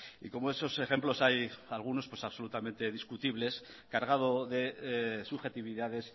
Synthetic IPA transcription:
ḭko̞moeso̞se̞xe̞mplo̞sajalɣ̞uno̞spwe̞saβso̞lut̪ame̞nt̪e̞ðiskut̪iβle̞s | kaɾɣað̞o̞ðe̞suxe̞t̪iβiðaðe̞s

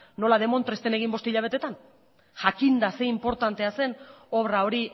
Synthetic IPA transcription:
no̞lað̞e̞mo̞nt̪ɾe̞st̪e̞ne̞ɣ̞imbo̞st̪eiʎaβ̞e̞t̪e̞t̪an | ʝakind̪ase̞impo̞ɾt̪ant̪e̞ase̞no̞βɾao̞ɾi

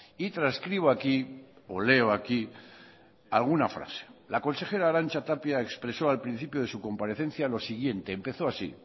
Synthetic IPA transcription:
it̪ɾaskɾiβ̞oakiole̞oaki | alɣunafɾa̰se̥lako̞nse̞xe̞ɾaːɾanʲt͡ʃat̪apjaekspɾe̞so̞alpɾin̟θipjoðe̞suko̞mpaɾe̞θẽ̞n̟θjalo̞siɣ̞je̞nt̪e̞ːmpe̞θo̞asḭ

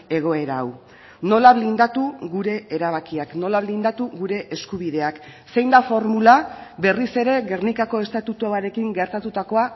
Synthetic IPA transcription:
e̞ɣ̞o̞e̞ɾaːw | no̞laβlind̪at̪uɣuɾe̞eɾaβ̞akiakno̞laβlind̪at̪uɣuɾe̞ʔeskuβ̞ið̞e̞ak | se̞jnd̪afo̞ɾmulaβe̞rise̞ɾe̞ɣe̞rnikako̞e̞st̪at̪ut̪uaɾe̞kiŋɡe̞ɾt̪at̪ut̪ako̞a

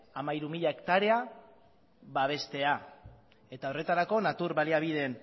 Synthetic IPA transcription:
amaiɾumiʎae̞kt̪aɾe̞a | βaβ̞e̞st̪e̞a | e̞t̪ao̞re̞t̪aɾako̞nat̪uɾβaliaβ̞ið̞e̞n

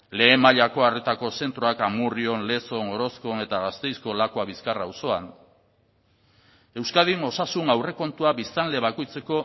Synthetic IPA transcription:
le̞ːmaʎako̞aret̪ako̞se̞nt̪ɾoakamurio̞nle̞so̞ŋo̞ɾo̞skone̞t̪aɣast̪e̞jsko̞lakoaβiskarawso̞an | e̞wskað̞ino̞sasunawre̞ko̞nt̪uaβist̪anle̞βako̞jt͡se̞ko̞

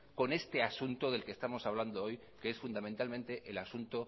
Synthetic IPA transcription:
ko̞ne̞st̪e̞asunt̪oðe̞lkest̪amo̞saβ̞land̪oo̞j | keesfund̪amẽnt̪almẽnt̪e̞ʔelasunt̪o

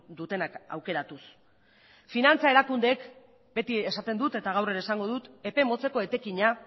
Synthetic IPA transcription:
d̪ut̪e̞naka̰wke̞ɾat̪us | finant͡sae̞ɾakund̪e̞ːk | be̞t̪ie̞sat̪e̞nd̪ut̪e̞t̪aɣ̞awre̞ɾesaŋɡo̞ð̞ut̪e̞pe̞mo̞t͡se̞ko̞e̞t̪e̞kiɲa

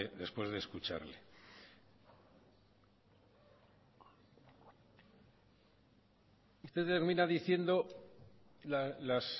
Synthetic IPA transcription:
eðe̞spwe̞zðe̞skut͡ʃa̰ɾlḛ | ust̪eðt̪eɾmĩnaðiθje̞nd̪o̞ | lalas

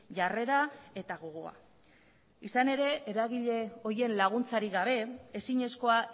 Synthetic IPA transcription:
ʝare̞ɾae̞t̪aɣoɣoa̰ | isane̞ɾe̞ʔeɾaɣ̞iʎe̞o̞ɾie̞nlaɣ̞unt͡saɾiɣaβ̞e̞esiɲe̞sko̞a

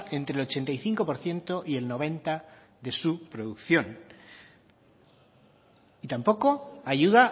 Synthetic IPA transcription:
e̞nt̪ɾelo̞t͡ʃe̞nt̪ajθiŋko̞po̞ɾθje̞nt̪o̞ʔie̞lno̞β̞ẽ̞nt̪a | ðe̞supɾo̞ðukθjo̞n | it̪ampo̞ko̞aʝuða

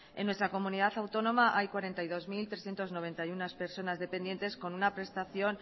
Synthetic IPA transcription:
ḛnwe̞st̪ɾako̞mũniðaθawt̪o̞nõ̞maʔajkwaɾe̞nt̪ajðo̞zmilt̪ɾesθje̞nt̪o̞zno̞β̞e̞nt̪ajunaspe̞ɾso̞nazðe̞pe̞nd̪je̞nt̪e̞sko̞nunapɾe̞st̪aθjo̞n

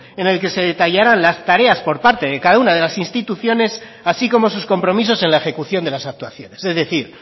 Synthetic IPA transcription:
e̞ne̞lke̞se̞ðe̞t̪aʝaɾanlast̪aɾe̞aspo̞ɾpaɾt̪e̞ðe̞kaðaunaðe̞lasinst̪it̪uθjo̞ne̞s | asiko̞mo̞susko̞mpɾo̞mis̬o̞se̞nlaexe̞kuθjo̞nd̪e̞lasak̚t̪waθjo̞ne̞se̞zðe̞θiɾ

